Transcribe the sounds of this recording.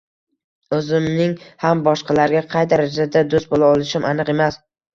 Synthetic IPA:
ɵzɪmnɪŋhambɒʃqʰɑlaɾɡʲaqʰɑjd̪aɾad͡ʒad̪ad̪ost̪̚bolaɒlˠɪʃɪmʔanɨqe̞mas

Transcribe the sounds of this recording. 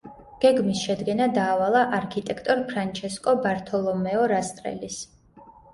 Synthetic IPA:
ɡ̥ɛɡmisʃɛd̪ɡɛnad̪aːvalˠaʔaɾkʰit̪ʼɛkʰt̪ʼɔɾpʰɾant͡ʃʰɛskʼɔbaɾt̪ʰɔlˠɔmɛɔɾast̪ʼɾɛ̰lis

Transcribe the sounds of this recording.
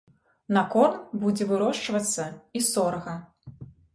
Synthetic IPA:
nɐkɔrnbud͡zʲɛvɨɾɔʂt͡ʂvɐt̪sːɐisɔɾɐɣɐ

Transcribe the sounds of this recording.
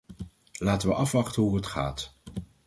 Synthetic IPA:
laːtəʋəʔɑfʋɑχtənɦuɦətχa̰ːt

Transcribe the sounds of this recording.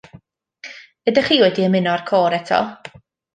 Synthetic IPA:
ədaχiːwɛdiəmɪnɔarkʰoːɾɛtʰɔ̰

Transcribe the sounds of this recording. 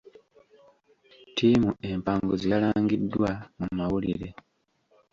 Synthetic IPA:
tʰiːmuʔe̞mpaːŋɡozialaːŋɡidːwamumawulḭɾe̞

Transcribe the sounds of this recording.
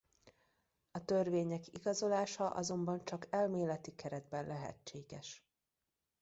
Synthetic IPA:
ɒt̪ørveːɲɛkḭɡɒzo̞laːʃɒʔɒ̰zo̞mbɒnt͡ʃɒkɛlmeːlɛt̪ikɛɾɛd̪̚bɛnlɛɦɛ̰t͡ʃːeːɡɛʃ

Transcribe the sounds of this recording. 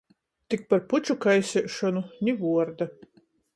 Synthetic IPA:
t̪ik̚paɾput͡ʃukajsʲɛʃɔnunʲivuɔɾd̪a

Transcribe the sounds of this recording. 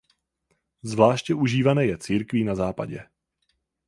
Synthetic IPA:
zvlaːʃcɛʔuʒiːvanɛːjɛt͡siːɾkvinazaːpa̰ɟɛ

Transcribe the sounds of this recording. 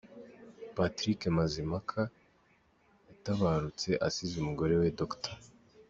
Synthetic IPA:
patɾikemazimakʰa | jataβaɾut͡se̞ʔasizumuɡo̞ɾe̞wedoktḁ

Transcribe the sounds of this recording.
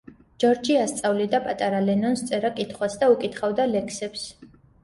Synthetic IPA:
d͡ʒɔɾd͡ʒiast̪sʼavlid̪apʼat̪ʼaɾalɛnɔnst̪sʼɛɾakʼit̪ʰχwasd̪aukʼit̪ʰχavd̪alɛkʰsɛps

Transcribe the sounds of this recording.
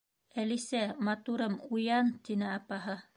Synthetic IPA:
ælisæmɑt̪uɾɤmujɑnt̪inɘɑpɑɦɤ

